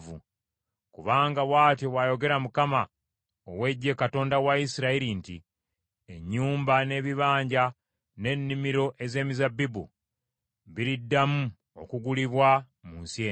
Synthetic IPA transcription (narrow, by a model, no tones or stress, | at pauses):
vṵ | kuβaːŋɡawaːtoβwajo̞ɡe̞ɾamukama | owe̞ɟːe̞kato̞ːndawaisiɾaiɾintḭ | eɲːuːmbane̞βiβaːɲɟa | ne̞nːimiɾo̞ʔe̞ze̞ːmizabːibṵ | βiɾidːamu | o̞̰kuɡuliβwa | munsjeː